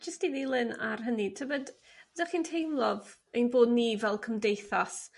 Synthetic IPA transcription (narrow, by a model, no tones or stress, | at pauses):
d͡ʒəstiðilˠɨna̰rɦənitʰəbəd | bədaχiːntʰejmlˠɔvejnboːdnivɛlˠkʰəmdejθas